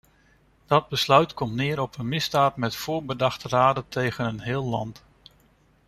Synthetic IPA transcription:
d̥ɑd̚bəslœɥtkɔmtnɪːɾɔpənmɪzdaːtmɛtfʊːɹbədɑχtəraːdətejχənənɦɪːlˠlɑ̰nt

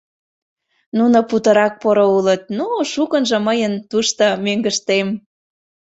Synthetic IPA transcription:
nunoput̪əɾɑk̚poɾoulət̪̚nuʃukənʒɤ̆məjənt̪uʃt̪omeŋɡəʃt̪em

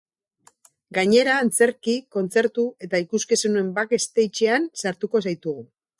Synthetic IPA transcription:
ɡaɲe̞ɾaːnt͡se̞ɾkiko̞nt͡se̞ɾt̪ue̞t̪aikuskesenue̞mbake̞st̪e̞jt͡ʃe̞ansaɾt̪uko̞sajt̪uɣ̞u

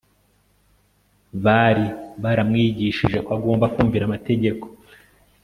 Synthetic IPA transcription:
βaɾiβaɾamŋiːɟiʃḭʒe̞kwaɡo̞ːmbakuːɱviɾamate̞ɟe̞ko̞̥

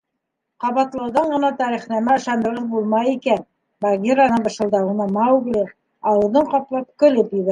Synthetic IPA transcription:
qɑβɑt̪lˠɤwðɑɴɢɤ̆nɑt̪ɑɾiχnæmæɤ̆ʃɑnd̪ɤ̆ɾʁɤðbulˠmɑjikæn | baɡʲiɾanɤɴbɤ̆ʃɤ̆lˠd̪ɑunɑmɑʉɡlɘ | ɑwɤ̆ðɤɴqɑplˠɑp̚kɵ̆lɘpjɘ̆βæ

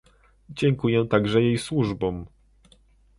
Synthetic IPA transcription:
d͡ʑɛŋkujɛt̪aɡʐɛjejswuʐbɔ̃m

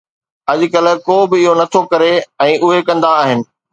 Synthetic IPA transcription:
ɐʄʊ̆kɐlkoːbɪɪɦonɐt̪ʰokɐɾeɛ̃ːʔʊɦekɐ̃nd̪aːɦɪnɪ̆

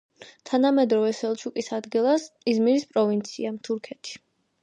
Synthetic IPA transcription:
t̪ʰanamɛd̪ɾɔvɛsɛlˠt͡ʃʰukʼisad̪ɡilˠasizmiɾispʼɾɔvint̪sʰḭamt̪ʰuɾkʰɛt̪ʰi̥

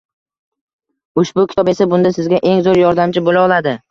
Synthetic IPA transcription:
ʊʃbʊkʲʰɪt̪ʰɒpe̞sabʊnd̪asɪzɡʲaʔe̞ŋzoɾjɒɾd̪amt͡ʃʰɪbolaɒlˠad̪ɪ

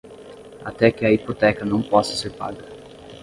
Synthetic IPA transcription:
a̰t̪ɛkɪɐipot̪ɛkɐnɐ̃w̃pɔsɐ̥seɾpa̰ɡɐ

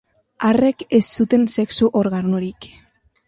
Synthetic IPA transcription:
are̞kesːut̪e̞nse̞ksuʔoɾɣanuɾik

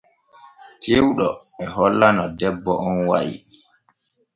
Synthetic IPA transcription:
tʰewɗɔ | ɛɦɔlːanɔdɛbːɔʔɔnwajḭ

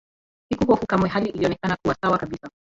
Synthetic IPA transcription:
sikuɦɔfukamwɛhaliʔiliɔnɛkanakuwasawakaɓisa

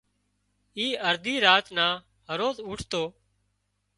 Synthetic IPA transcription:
iːəɾd̪iːɾaːt̪nãː | ɦəɾoːzʊːʈʰt̪oː

